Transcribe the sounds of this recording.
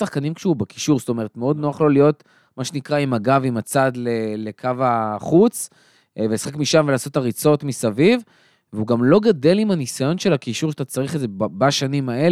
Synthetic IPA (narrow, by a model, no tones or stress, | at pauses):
saχkanimkʃeubeki̥ʃuʁsto̞me̞ʁetmeo̞d̪noaχlo̞lijo̞t | maʃenikʁaimaɡavimat͡sadlelekʰavaχut͡s | velesaχekmiʃamvelaːso̞taʁit͡so̞tmisaviv | veuɡamlo̞ɡade̞limhanisajo̞nʃe̞lakiʃuʁʃat̪at͡saʁiχezebaʃanimae̞l